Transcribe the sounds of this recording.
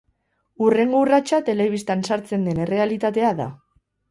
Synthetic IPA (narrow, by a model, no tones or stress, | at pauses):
ure̞ŋɡourat͡ʃat̪e̞le̞βist̪ansaɾt͡se̞nd̪e̞nre̞alit̪at̪e̞aða̰